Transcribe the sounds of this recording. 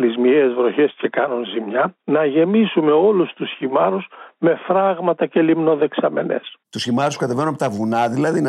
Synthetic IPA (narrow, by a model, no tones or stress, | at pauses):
lizmiezvɾo̞çe̞sce̞kɐnunzimɲɐnɐʝe̞misume̞o̞lust̪usçimɐɾusme̞fɾɐɣmɐt̪ɐce̞limno̞ðe̞ksɐme̞ne̞̰st̪usçimɐɾuskɐt̪eveɾunɐpot̪ɐvunɐðilɐðin